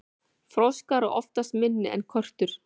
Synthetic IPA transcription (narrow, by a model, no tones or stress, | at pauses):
fɾowskaɾʏʔɔft̪ast̪mɪnːɪɛ̰nkʰœr̥t̪ʏɾ̥